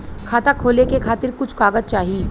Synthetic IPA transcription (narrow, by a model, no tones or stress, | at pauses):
kʰaːt̪akʰoːlekekʰaːt̪ɪɾkʊt͡ʃʰkaːɡəd̪̚t͡ʃaːɦii